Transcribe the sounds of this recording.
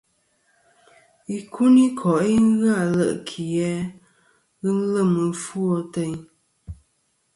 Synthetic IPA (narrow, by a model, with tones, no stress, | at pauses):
i˨kʰu˦ni˦kʰɔ˨ʔi˦ŋ˦ɣa˦˨lə˨ʔkʰi˨jɛ˦ | ɣɨ˦n̩˦lə˦˨mɨ˨fwo˦te˦ɲ